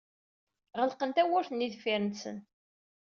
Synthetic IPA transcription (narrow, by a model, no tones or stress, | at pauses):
ʁəlqənt̪æwʊɾθənːiðfiɾənsə̰n